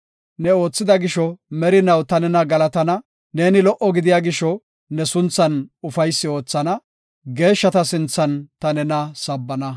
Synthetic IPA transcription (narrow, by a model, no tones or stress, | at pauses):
nɛo̞ːt͡sːɪd̪ɐɡɪʃɔmɛɾɪnɐwt̪ɐnɛnɐɡɐlɐt̪ɐnɐ | ne̞ːnɪlɔʔɔɡɪd̪ɪjaːɡɪʃɔ | nɛsʊnt͡sːɐnʊfɐjsːɪo̞ːt͡sːɐnɐ | ɡe̞ːʃːɐt̪ɐsɪnt͡sːɐnt̪ɐnɛnɐsɐbːɐnɐ